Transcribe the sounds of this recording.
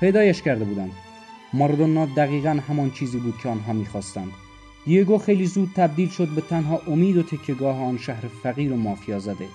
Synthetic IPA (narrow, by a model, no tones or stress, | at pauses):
pʰejd̪ɒːjæʃkæɾd̪ebuːd̪ænd̪ | moɾd̪onːɒːd̪̚ːæɣiːɣænɦæmɒːnt͡ʃʰiːziːbuːd̪̥̚cʰeɒːnɦɒːmiːxɒːst̪ænd̪̥ | jeɡoːxejliːzuːd̪̥̚t̪ʰæb̚d̪iːlʃod̪̚bet̪ʰænɦɒːʔomiːd̪ot̪ʰekʰːeɡɒːheɒːnʃæhɾefæɣiːɾomɒːfijɒːzæd̪e